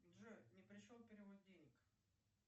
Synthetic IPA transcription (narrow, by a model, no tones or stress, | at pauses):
ʐɨnʲɪpɾʲɪʂolˠpʲɪɾʲɪvot̪̚ʲdʲenʲɪk